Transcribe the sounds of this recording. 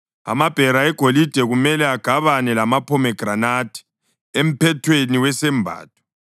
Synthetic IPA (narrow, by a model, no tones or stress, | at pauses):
a̰mab̥ʱɛɾaɛɡ̥ʱolid̥ʱɛɣumɛlɛaɡ̥ʱaβanɛlamapʰɔmɛɡ̥ʱranatʰʼi̥ | em̩pʰɛtʰweniwɛsɛmbʱa̰ːt̚ʰʼu̥